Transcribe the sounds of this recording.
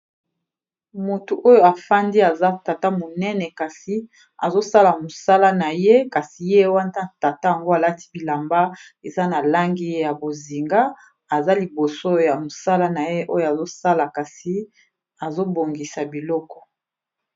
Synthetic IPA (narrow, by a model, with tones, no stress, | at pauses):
mo˨tu˨ʔo˦jo˨a˨fa˦ndi˦a˨za˦ta˨ta˦mo˨nɛ˦nɛ˨ka˨si˨ | a̰˨zo˦sa˦la˨mo˨sa˦la˦na˨je˦ka˨si˨je˦wa˦nda˦ta˨ta˦ja˨ŋɡo˦a˨la˦ti̥˦bi˨la˨mba˦ | e˨za˦na˨la˦ŋɡi˦je˦ja˨bo˨zi˨ŋɡa˦ | a˨za˦li˨bo˨so˦jja˨mo˨sa˦la˦na˨je˦ʔo˦jo˦a˨zo˦sa˦la˨ka˨si˨˦ | a˨zo˦bo˨ŋɡi˨sa˨bi˨lɔ˦kɔ̥˨